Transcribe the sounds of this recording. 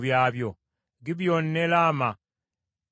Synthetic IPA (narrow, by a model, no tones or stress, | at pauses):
βjaːβjo | ɡiβjoːnːelaːma